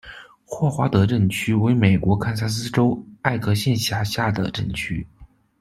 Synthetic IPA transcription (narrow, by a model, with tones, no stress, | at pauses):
xwɔ˥˩xwa˧˥t̪ɤ˧˥ʈ͡ʂə˥˩nt͡ɕʰy˥we˧˥ɪme˨˩ɪkwɔ˧˥kʰa˥ns̬a˥s̬ɹ̩˥ʈ͡ʂo˥ʊa˥˩ɪkɤ˧˥ɕjɛ˥˩nɕja˧˥ɕja˥˩d̪ə̰˩ʈ͡ʂɤ˥˩ŋt͡ɕʰy˥